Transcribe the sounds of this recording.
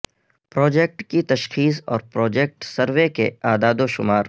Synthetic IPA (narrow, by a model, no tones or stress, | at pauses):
pɾɔːd͡ʒek̚ʈkit̪ɐʃxiːsɔ̰ːɾpɾɔːd͡ʒek̚ʈsɐɾʋekeaːd̪aːd̪oʃʊmaːɾ